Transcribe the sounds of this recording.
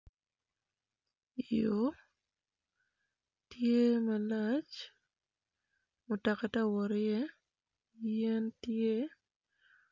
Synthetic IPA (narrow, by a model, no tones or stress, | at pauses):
ɪjo | tjemɛlat͡ʃ | mʊtakatawɔɾɪje | jentje